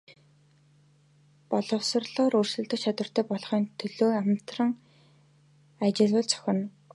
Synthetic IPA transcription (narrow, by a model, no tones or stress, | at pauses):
pɔɮɞ̆wsə̆rɮɔːɾɵrsɵ̆t̪ə̆kt͡ɕʰat̪wə̆r̥t̪ʰœːpɔɮχɞ̆ːnt̪ʰɵɮoːamt̪rə̆ŋ | at͡ɕɪ̆ɮwə̆ɮt͡sʰœ̥xʲɪ̆n